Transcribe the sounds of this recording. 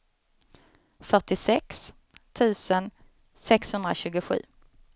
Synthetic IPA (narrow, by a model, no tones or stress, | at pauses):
fœʈɪsɛks | t̪ʰʉ̟ːsən | sɛkshɵnd̪ɾaɕʉ̟ːɡʊɧʉ̟̰ː